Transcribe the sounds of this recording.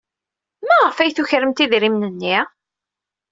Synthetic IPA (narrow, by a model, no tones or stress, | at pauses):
mæʁəfæjθuçɾəmt̪iðɾimnənːi